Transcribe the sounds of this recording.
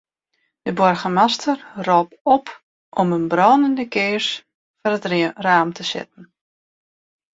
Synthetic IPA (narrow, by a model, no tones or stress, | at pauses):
d̥əbɔrɣəmastʰərrɔːpɔp | ʔɔmənbrɔːnəndəkʰɪːrs | fɔrətraːmtʰəsɪ̰t̚n̩